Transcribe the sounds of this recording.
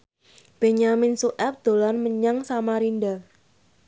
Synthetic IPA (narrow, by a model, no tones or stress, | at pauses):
b̥eɲamɪnsuʔɛp̚d̪̥o̤lanməɲaŋsamaɾinda